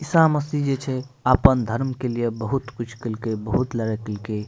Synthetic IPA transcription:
isaməsid͡ʒet͡ʃʰɛ | apənd̪ʱəɾmkelijebəɦut̪kut͡ʃʰkəlkebəɦut̪ləɾɛkelke

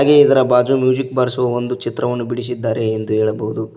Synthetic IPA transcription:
ɡeid̪ɐɾɐbaːd͡ʒumjuːd͡ʒikbɐɾsɐʋɐond̪ut͡ʃit̪ɾɐʋɐnːubiɽis̬id̪ːaːɾeːnd̪uɦeːɭɐbɐɦud̪u

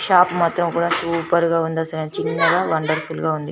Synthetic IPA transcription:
ʃaːpmaːt̪ɾɐmkuːɽaːsuːpɐɾɡaːund̪ɐsɐlent͡ʃinːɐɡaːʋɐɳɖɐɾfulɡaːund̪i

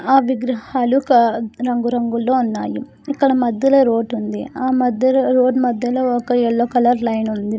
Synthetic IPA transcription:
aːʋiɡɾɐhaːlukɐɾɐŋɡuɾɐŋɡulːo̞ːunːaːju | ikːɐɽɐmɐd̪ʱjɐloːɾo̞ːʈund̪iaːmɐd̪ʱjɐɾo̞ːʈmɐd̪ʱjɐloːɔkɐɛɭːokɐlɐɾlɐjnund̪i

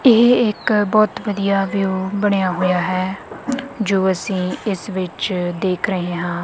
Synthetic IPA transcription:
ɪɦɪkbɔːt̪ʋəd̪ijaːʋjuːbəɽ̃ejaːɦoːjaːɦɛː | d͡ʒoːəsĩːɪsʋɪt͡ʃd̪eːkʰɾəɦẽːɦãː

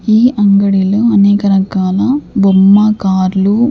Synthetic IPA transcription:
iːʔɐŋɡɐɽiluɐneːkɐɾɐkaːlɐbomːakaːɾlu

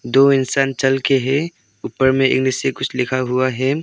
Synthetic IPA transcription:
d̪oɪnsaːnt͡ʃɐlkeɦɛ | upəɾmẽḛːk̚nɪsekʊt͡ʃʰlɪkʰaɦʊaɦɛ

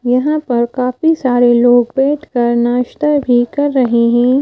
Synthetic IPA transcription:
jɐɦãpɐɾkaːfisaːɾeloːɡ̚beːd̪kɐɾnaʃt̪əbʱikɐɾːɐɦeɦɛ̃ː

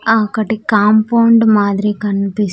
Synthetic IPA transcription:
akɐʈːikaːmpɐwɳɖmaːd̪ɾikɐnpis

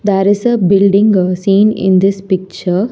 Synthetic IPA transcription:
d̪æɾɪsəbɪlɖɪ̃ŋɡsĩːnɪ̰̃nd̪ɪspɪk̚t͡ʃəɾ

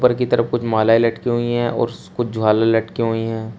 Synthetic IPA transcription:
pəɾkit̪ɐɾəfkʊt͡ʃʰmaːlaːilɐʈkeɦʊiɦɛ̃ʔɔ̰ːɾkʊt͡ʃʰd͡ʒʱʊɦaːlalɐʈkeɦʊiɦɛ̃ː

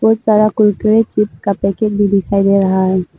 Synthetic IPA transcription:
bɔːt̪saːɾakʊlkɾet͡ʃɪpskapɛked͡ʒbʱid̪ɪkʰaːid̪eːɾɐɦaɦɛː

